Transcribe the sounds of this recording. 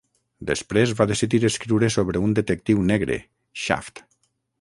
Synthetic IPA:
d̪espɾezβaðesiðiɾeskɾiwɾesoβɾeund̪et̪ek̚t̪iwnɛɣɾḛ | ʃa̰ft̪

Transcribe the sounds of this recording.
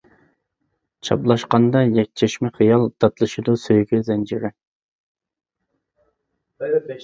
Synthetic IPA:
t͡ʃʰɑ̰blˠɑʃqɑnd̪ɑjɛk̚ʲt͡ʃʰɛʃmɛχijɑlˠt̪ʰɑt̪lˠɨʃid̪usøjɡʲyzɛnd͡ʒɪɾɪ

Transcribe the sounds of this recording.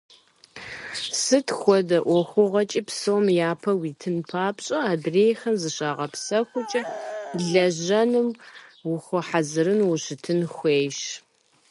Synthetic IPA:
sɨtʰxʷɔdɐʔʷɔxʷʊʁɐt͡ʃʼiːpsowmjaːpʰɐwiːtʰɨnpʰaːpɕʼɐaːdreːjxɐnzɨɕaːʁɐpsɐxʷʊt͡ʃʼɐɮɐʑɐnɨmwʊxʷɔħazɨɾɨnwʊɕɪtʰɨnxʷeːjʃ

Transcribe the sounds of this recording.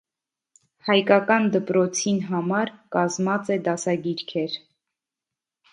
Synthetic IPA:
hɑjkɑkɑnd̪əpɾɔt͡sʰinɦɑmɑɾkɑzmɑt͡sɛd̪ɑsɑɡiɾkʰɛɾ

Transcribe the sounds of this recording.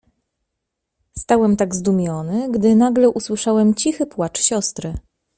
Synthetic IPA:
st̪awɛmt̪aɡzd̪umʲjɔnɘɡd̪ɘnaɡlɛʔuswɘʂawɛmt͡ɕixɘpwat͡ʂɕɔst̪ɾɘ

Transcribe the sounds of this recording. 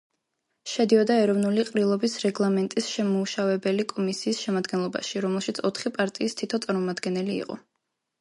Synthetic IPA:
ʃɛd̪iɔd̪aɛɾɔvnuliqʼɾilˠɔbisɾɛɡlˠamɛnt̪ʼisʃɛmɔuʃavɛbɛlikʼɔmisiːsʃɛmad̪ɡɛnlˠɔba̰ʃiɾɔmɛlˠʃit̪sʰɔt̪ʰχipʼaɾt̪ʼiːst̪ʰit̪ʰɔt̪sʼaɾmɔmad̪ɡɛnɛlḭːqʼɔ̰

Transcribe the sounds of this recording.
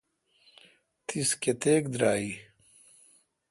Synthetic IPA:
t̪isket̪eːk̚d̪ɾaːi

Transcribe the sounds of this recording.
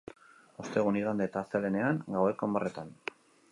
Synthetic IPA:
o̞st̪eɣ̞uniɣand̪eːt̪aːsele̞ne̞aŋɡawe̞kombaret̪an

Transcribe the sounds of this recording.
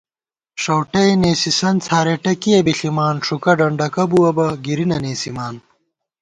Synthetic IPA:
ʂɐwʈɐjneːsisɐnt͡sʰaːɾeʈɐkijɐbiɬimaːnʂukɐɖɐɳɖɐkɐbuwɐbɐɡiɾinɐneːsimaːn

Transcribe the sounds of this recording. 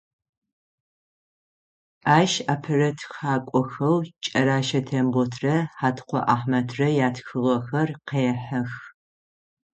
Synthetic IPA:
aːʃaːpʰɨrɐtʰxaːkʷʼɔxɐwt͡ʃʼɐɾaːʃɐtʰɐmʁʷɔtʰrɐħaːtʰqʷɔ̰ʔaːħmɐtʰrɐjaːtxɨʁɐxɐrqejɛħɐx

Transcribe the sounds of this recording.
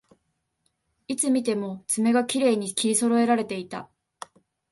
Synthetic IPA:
it͡sɨmʲit̪e̞mo̞t͡sɨme̞ɡakʲiɾe̞ːɲ̟ikʲiɾʲiso̞ɾo̞e̞ɾaɾe̞t̪e̞it̪a

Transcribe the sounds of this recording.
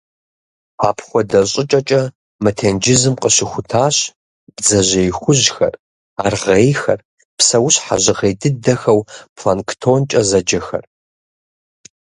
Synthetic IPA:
a̰ːpʰχʷɔdɐɕʼɪt͡ʃʼɐt͡ʃʼɐ | mɐtʰeːnd͡ʒɪzɨmqʼəɕɪxʷʊtʰaːɕ | b̥d͡zɐʑejxʷʊʑxɐ̰r | aːrʁejxɐ̰r | psɐwʊɕħa̰ʑɪʁeːjdɨdɐxɐwpʰlanktʰoːnt͡ʃʼɐzɐd͡ʒɐxɐ̰r

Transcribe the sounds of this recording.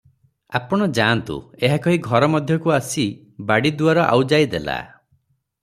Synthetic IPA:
a̰pɔɽ̃ɔd͡ʒant̪ṵeɦakɔɦiɡʱɔɾɔmɔd̪ʱjɔkuasi | baɽid̪uaɾɔʔa̰wd͡ʒajd̪ela̰

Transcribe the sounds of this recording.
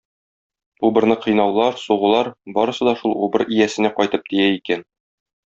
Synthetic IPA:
ubɤ̆ɾnɤqɤ̆jnɑwlˠɑɾsuʁɤ̆lˠɑɾbɒɾɤ̆sɤ̆d̪ɒʃulˠubɤɾijæsɘ̆næqɒjt̪ɤp̚d̪ijæikæn

